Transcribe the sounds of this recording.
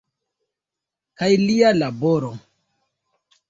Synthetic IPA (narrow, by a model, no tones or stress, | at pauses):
kajlialaboɾo